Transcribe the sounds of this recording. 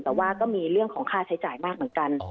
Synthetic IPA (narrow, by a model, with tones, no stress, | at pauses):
t̪ɛː˨˩waː˥˩kɔː˥˩miː˧ɾɯ˥˩əŋkʰɔː˩˦ŋkʰaː˥˩t͡ɕʰa˦˥jt͡ɕaː˨˩jmaː˥˩k̚mɯ˩˦nka˧n